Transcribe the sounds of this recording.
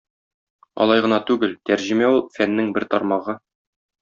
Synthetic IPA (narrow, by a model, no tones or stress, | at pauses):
ɒ̰lˠɑjʁɤ̆nɑt̪ʉɡɘlt̪æɾʑɘ̆mæulˠfænːɘŋbɘɾt̪ɒɾmɑʁɤ